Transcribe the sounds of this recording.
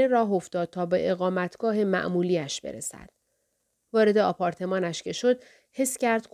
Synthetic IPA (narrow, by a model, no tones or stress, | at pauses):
eɾɒːɦo̞fd̪̥ɒːd̪̥̚t̪ʰɒːbeʔeɣɒːmæt̪ʰɡ̥ɒːɦe̞mæ̰ʔmuːliːæʃb̥eɾḛsæ̰d̪̥ | vɒːɾe̞d̪e̞ɒːpʰɒːɾt̪ʰe̞mɒːnæʃce̞ʃo̞d̪̥̚ | he̞scæɾd̪̥k